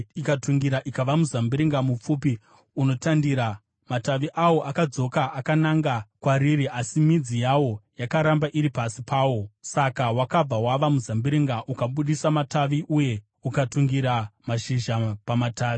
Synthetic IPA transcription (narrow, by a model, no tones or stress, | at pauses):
ikatuŋɡiɾaʔikaʋamuzambiɾiŋɡamup͡fuːpi | uno̞tandiːɾa | mataʋiʔawo̞ʔakad͡zo̞kaʔːkanaŋɡakwaɾiɾiʔasimid͡zijawo̞jakaɾambaʔiɾipasipaːwo̞sakawakab͡vawaʋamuzambiɾiŋɡaʔukaɓuɗisamataʋiʔuje̞ | ukatuŋɡiɾamaʃiʒapamataːʋi